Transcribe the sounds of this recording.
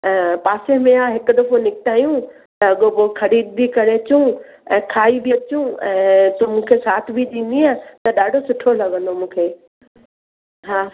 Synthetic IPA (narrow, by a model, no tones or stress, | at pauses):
paːsemẽaːɦɪkʊd̪ɐfonɪkɪt̪ʰaːjũ | t̪ɐɠoboxʰɐɾiːd̪̚bʱikɐɾeɐt͡ɕũ | ɛ̃ːkʰaːibʱiɐt͡ɕũɛ̃ːt̪ũːmũːkʰesaːt̪ʰbʱiɗĩːn̆d̪iaːt̪ɐɗaːɖʱosʊʈʰolɐɠə̃nd̪omũːkʰeː | ɦaː